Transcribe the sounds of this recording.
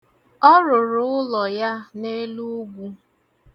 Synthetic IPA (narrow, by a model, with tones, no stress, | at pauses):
ɔ˦ɾʊ˨ɾʊ˨˦ʊ˦lɔ˨ja˦ne˦lu˦ɡʷu˦